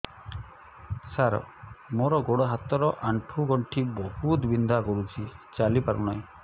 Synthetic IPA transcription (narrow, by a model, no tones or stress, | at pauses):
saɾɔ̰moɾɔɡoɽɔɦat̪ɔɾɔʔaɳʈʰuɡɔɳʈʰibɔhut̪bind̪akɔɾut͡ʃʰit͡ʃalipaɾunaj